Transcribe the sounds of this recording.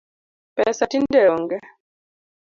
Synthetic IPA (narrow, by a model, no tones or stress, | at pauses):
pɛsatindɛɔŋɡɛ